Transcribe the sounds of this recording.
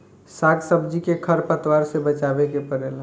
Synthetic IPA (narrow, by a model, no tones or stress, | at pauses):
saːɡsəbd͡ʒikekʰəɾpət̪waːɾsebət͡ʃaːbekepəɾela